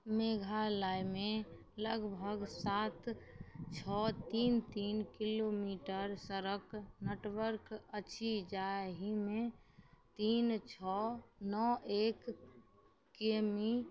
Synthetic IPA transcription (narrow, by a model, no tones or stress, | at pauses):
meɡʱalajmẽ | ləɡbʱəɡsat̪t͡ʃʰɔt̪iːnt̪iːnkilomiʈəɾsəɾəkneʈwəɾkəːt͡ʃʰid͡ʒaɦimẽt̪iːnt͡ʃʰɔnɔʔek | kemi